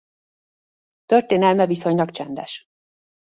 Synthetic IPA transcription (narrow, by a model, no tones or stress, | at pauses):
t̪ørt̪eːnɛlmɛviso̞ɲlɒkt͡ʃɛnd̪ɛʃ